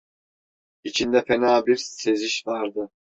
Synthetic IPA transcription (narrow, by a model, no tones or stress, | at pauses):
it͡ʃʰind̪ɛfɛnaːbiɾseziʃvaɾd̪ɯ